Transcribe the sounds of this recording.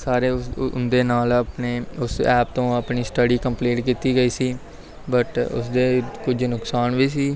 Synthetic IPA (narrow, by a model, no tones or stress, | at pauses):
saːɾeːnd̪eːnaːləpneːʊsɛːpt̪õːəpɳiːsʈəɖiːkəmpleːʈkiːt̪iːɡəiːsiː | bəʈʊ̰sd̪eːkʊd͡ʒnʊksaːnʋiːsiː